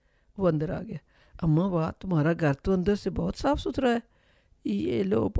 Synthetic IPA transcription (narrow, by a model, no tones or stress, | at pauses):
ʋə̃nd̪əɾa̰ːɡɪaː | əmãːʋaːt̪ʊmaːɾaːɡʱəɾt̪õə̃nd̪əɾsebɔːt̪saːpʰsʊt̪ʰɾaːɛː | ḛːloːp